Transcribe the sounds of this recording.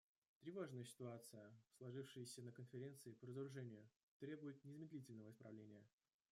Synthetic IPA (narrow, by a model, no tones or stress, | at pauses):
t̪ɾʲɪvoʐnɨjəsʲɪ̥t̪ʊat̪sɨjəslˠɐʐɨfʂɨjəsʲənəkənfʲɪɾʲe̞nt̪sɨɪpəɾəzəɾʊʐɛnʲɪjʊ | t̪ɾʲe̞bʊjɪt̪̚nʲɪzmʲɪd̪ʲlʲitʲɪlʲnəvəɪspɾɐ̰vlʲenʲɪjə